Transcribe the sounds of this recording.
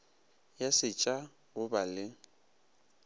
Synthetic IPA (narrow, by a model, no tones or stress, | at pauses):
jasɪt͡ʃʼa | ɣʊbalɪ